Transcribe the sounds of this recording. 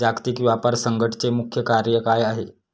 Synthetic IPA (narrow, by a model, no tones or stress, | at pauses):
akt̪ikʋapəɾsəŋɡʱəʈt͡semukʰjəkaɾjəkajaɦe